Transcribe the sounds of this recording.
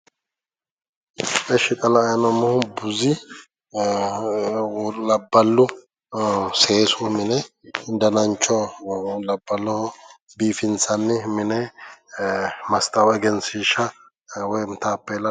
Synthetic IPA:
ɛʃɪk̪ʼɐlɐːjnɔmɔhʊbʊzɪ | lɐbːɐlːʊ | seːsɔmɪnɛd̪ɐnɐnt͡ʃːɔlɐbːɐlːɔhʊ | biːfɪnsɐnːɪmɪnɛ | mɐst̪ʼɐwɛɡɛnsiʃɐ | wɔjmt̪aːpːɛlɐ

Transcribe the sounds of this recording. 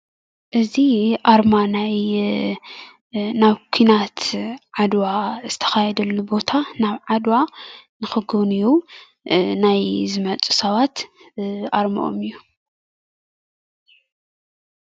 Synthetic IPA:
ʔɨziʔaɾmanaj | naβkʰinat̪ʕad̪waz̥ɨt̪ʰɐ̥xajɛd̪ɐlːubo̞t̪ʰanaβʕad̪wanɨxɨɡɨniju | najzɨmɐt͡sʼu̥sɐβat̪ | ʔaɾmɐ̰ʔo̰mɨjːu

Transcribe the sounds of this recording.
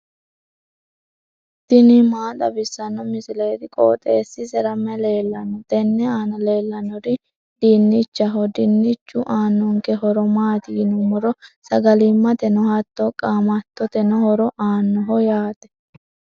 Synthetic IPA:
d̪̥ɪnɪmaːt̪ʼɐbɪsːɐnːɔmɪsɪleːt̪ɪkʼo̰ːt̪ʼeːsːɪsɛɾɐmːɛleːlːɐnːɔt̪ɛnːɛaːnɐleːlːɐnɔɾɪ | d̪̥ɪnːɪt͡ʃːɐɦɔd̪ɪnːɪt͡ʃːʊʔaːnːɔŋkɛɦɔɾɔmaːt̪iːnʊmɔɾɔsɐɡɐlɪmːɐt̪ɛnɔhɐt̪ːɔkʼaːmɐt̪ːɔt̪ɛnɔhɔɾɔʔaːnːɔɦɔjaːt̪ɛ̥

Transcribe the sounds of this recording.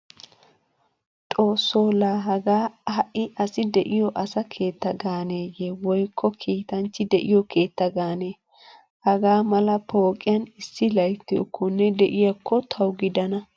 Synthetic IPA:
t̪ʼo̞ːsːoːlaːɦɐɡaːhɐʔːɪʔɐsɪd̪ɛʔɪjɔʔɐsɐkʰeːt̪ːɐɡaːneːjewɔjkʰːɔkʰiːt̪ɐnt͡ʃːɪd̪ɛʔɪjɔkʰeːt̪ːɐɡaːneː | hɐɡaːmɐlɐpʰoːkʼːɪjɐnɪsːɪlɐjt̪ːɪjɔ̰kʰːɔnːɛd̪ɛʔɪjɐkʰːɔt̪ʰɐwɡɪd̪ɐnɐ

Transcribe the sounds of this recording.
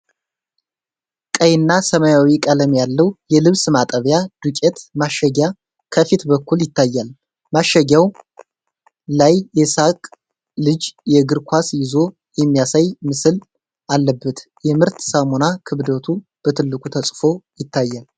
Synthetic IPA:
kʼəjɪnːasəmajawikʼələmjalːəwjɛlɨβsɨmat̪ʼəβjad̪ukʼet̪maʃːəɡa | kʰəfit̪bəkʰːuljɪt̪ʰːajːal | maʃəɡaw | lajːɛsakʼ | lɨd͡ʒjɛɡɨɾkʰʷasjɪzo̞ | jɛmːijasajmɨsɨl | ʔalːəbːət̪ | jɛmɨɾt̪samonakʰɨβd̪ət̪ʰub̥ət̪ʰɨlːɨkʷʼut̪ʰəsʼfo̞jɪt̪ʰːajːal

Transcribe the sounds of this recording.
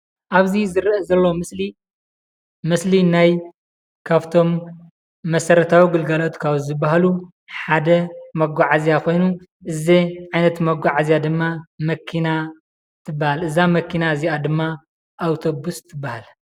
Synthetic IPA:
ʔaβzizɨɾʔɐzɐlːo̞mɨsli | mɨslinaj | kʰaβt̪ʰo̞mː | ɐsɐɾɐt̪ʰawiɡɨlɡɐlo̞t̪kʰaβzɨbːaɦalu | ħad̪ɐmɐɡʷaʕazijakʰo̞jnuʔɨziʕajnɐt̪mɐɡʷaʕazijad̪ɨmːamɐkʰina | t̪ʰɨbːahalɨzamɐkːinaɨziad̪ɨmːa | ʔːwt̪ʰo̞bust̪ʰɨbːahal

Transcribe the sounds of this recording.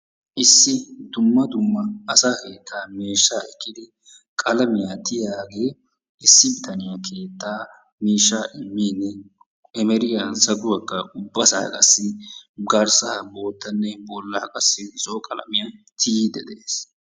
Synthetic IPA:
ʔɪsːɪd̪ʊmːɐd̪ʊmːɐɐsaːke̞ːt̪ːaːmeːʃːaːɛkːɪd̪ɪ | kʼɐlɐmɪjaːt̪ɪjaːɡe̞ː | ɪsːɪbɪt̪ʰɐnɪjɐkʰe̞ːt̪ːaː | meːʃːaːʔɪmːiːnːɛ | ɛmɛɾɪjasɐɡʼʊwɐkːɐʊbːɐsa̰ːkʼɐ̰sːɪɡɐɾsɐbo̞ːt̪ːɐnːɛbɔlːɐkʼɐsːɪzoːkʼɐlɐ̰mɪjat̪ʰɪjid̪ɛd̪eːs

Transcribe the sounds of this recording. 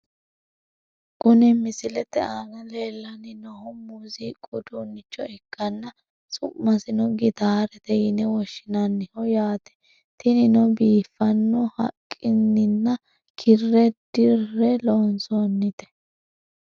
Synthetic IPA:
kʊnɛmɪsɪlɛt̪ɛʔaːnɐleːlːɐnɪnɔhʊmuziːkʼʊd̪unːɪt͡ʃːɔɛkːɐnːɐ | sʼʊmːɐsɪnɔɡɪt̪aːɾɛt̪ɛjɪnɛwɔʃːɪnɐnːɪhɔjaːt̪ɛ̥ | t̪ɪnɪnɔbiːfːɐnːɔhɐ̰kʼːɪnːɪnːɐ | kʰɪrːɛd̪̥ɪrːɛloːnsɔnːɪt̪ɛ̥

